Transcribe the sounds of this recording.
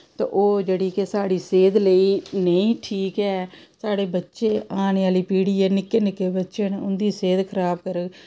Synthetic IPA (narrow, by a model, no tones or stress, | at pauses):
t̪ḛ̃ːʔoːd͡ʒeːɽiːkesaːɽiːseːd̪ləiːnəĩːʈʰiːkɛːsaːɽeːbətːʃeːaːneaːliːpiːɽiːɛːnɪkːeːnɪkːeːbətːʃeːnʊnd̪iːseːd̪kʰəɾaːbkəɾə